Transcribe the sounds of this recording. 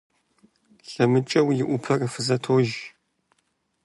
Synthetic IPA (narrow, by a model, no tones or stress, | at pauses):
ɬɐmɨt͡ʃʼɐwjɪʔʷʊpʰɐrɨfɨzɐtʰoːʒ